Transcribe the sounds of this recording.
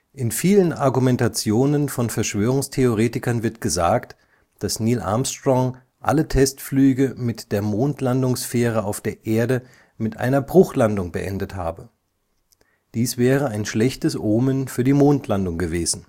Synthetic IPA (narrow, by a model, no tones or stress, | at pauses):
ʔɪnfiːlənʔaɐɡumɛntat͡sjoːnənfɔnfɛɐʃv̥øːʁ̞ʊŋstʰeoʁ̞eːtɪkɐnvɪɐtɡ̥əzaːkt | d̥asniːlʔa̰ːmstʁɔŋ | ʔa̰lətʰɛstflyːɡəmɪtd̥eːɐmoːntʰlandʊŋsfɛːʁəaʊfd̥eːɐʔeːɐdə | mɪtʔa̰ɪnɐbʁʊχlandʊŋbəʔɛ̰ndətha̰ːbə | d̥iːsv̥ɛːʁəaɪnʃlɛçtəsʔoːmənfyːɐdiːmoːntlandʊŋɡəveːzn̩